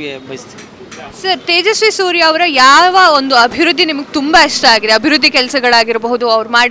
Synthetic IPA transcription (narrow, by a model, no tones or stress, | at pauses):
sɐɾt̪eːd͡ʒɐsʋisuːɾjɐːʋɐɾɐjaːʋɐond̪uɐbʱiʋɾud̪ʱːinimɐɡet̪umbɐiʂʈɐaːɡid̪eɐbʱiɾud̪ʱːikɛlɐsɐɡɐɭaːɡiɾbɐɦud̪uɐʋɐɾmaːɽ